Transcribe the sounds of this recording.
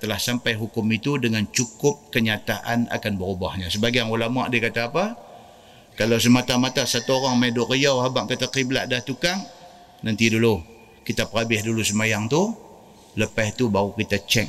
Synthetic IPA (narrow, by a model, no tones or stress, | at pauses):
t̪əlahsampajɦukʊmit̪udəŋant͡ʃukʊp̚kəɲat̪aʔa̰na̰kanbəɾubahɲasəbaɡajaŋolamua̰ʔdikat̪aːpa | kalaws̬əmat̪amat̪asat̪uoɾaŋmedʊʔrəjawɦabaʔkət̪akibəla̰ʔdaht̪ukaŋ | nant̪idulu | kit̪apəɾabɪhdulusəmajaŋt̪u | ləpaht̪ubaɣukit̪at͡ʃɛk̚